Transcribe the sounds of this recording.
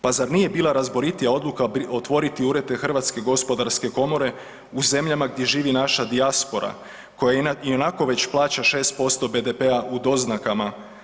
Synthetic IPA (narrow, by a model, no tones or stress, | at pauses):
pazaɾnije̞biːlˠaɾazbo̞ɾit̪ijao̞d̪lˠukao̞t̪ʋo̞ɾit̪iuːɾe̞d̪e̞xrʋat̪ske̞ɡo̞spo̞d̪aɾske̞ko̞mo̞ɾe̞ | uze̞mʎamaɡd̪ʲje̞ʒiːʋinaʃad̪iaspo̞ɾa̰ | ko̞jaio̞nako̞ʋe̞t͡ɕplˠaːt͡ɕaʃe̞ːst̪̚po̞st̪o̞be̞d̪e̞pe̞aʔud̪o̞znakama